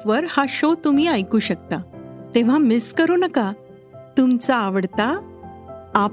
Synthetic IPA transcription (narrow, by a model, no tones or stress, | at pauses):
ʋəɾhaɕot̪um̤iːajkuːɕək̚t̪at̪ẽʋ̤amɪskəɾuːnəka | t̪umt͡saːʋəɽt̪aː